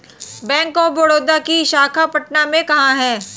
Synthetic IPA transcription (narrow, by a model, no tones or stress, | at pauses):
bɛ̃ːŋkɔboɽoːd̪akiʃaːkʰapɐʈnamẽkɐɦãɦɛː